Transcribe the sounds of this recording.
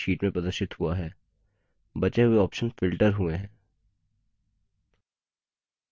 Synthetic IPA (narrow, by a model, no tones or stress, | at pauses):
ʃiːʈmẽpɾɐd̪əʃɪt̪ɦuaɦɛː | bɐt͡ʃeɦʊeɔːpʃənfɪlʈəɾɦueɦɛ̃ː